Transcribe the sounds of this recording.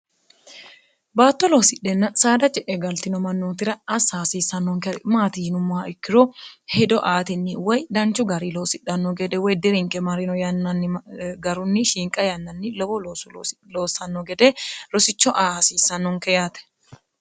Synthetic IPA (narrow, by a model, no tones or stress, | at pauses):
baːt̪ːɔloːsɪᶑːɛnːɐsaːd̪ɐt͡ʃʼɛʔɛɡɐlt̪ɪnɔmɐnːoːt̪ɪɾɐːsaːsiːsːɐnːɔŋkɛmaːt̪iːnʊmʊaɪkːɪɾɔhɛd̪ɔʔaːt̪ɪnːɪwɔjd̪ɐnt͡ʃːʊɡɐɾilo̞ːsɪᶑɐnːɔɡɛd̪ɛwɔjd̪ɪɾɪŋkʼɛmɐɾɪnɔjɐnːɐnːɡɐɾʊnːɪʃiːŋkʼɐjɐnːɐnːɪlɔbɔloːsʊloːsːɐnːɔɡɛd̪ɛɾɔsɪt͡ʃːɔʔaːsiːsːɐnːɔŋkɛjat̪ɛ̥